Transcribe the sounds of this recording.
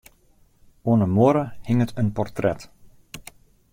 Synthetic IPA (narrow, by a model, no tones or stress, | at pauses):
oənəmoəɾəhɪŋətʰənpɔrtrɛt